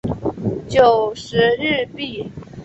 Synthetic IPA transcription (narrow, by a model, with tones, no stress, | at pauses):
t͡ɕjo˨˩ʊʂɻ̩˧˥ɻɻ̩˥˧pi˥˩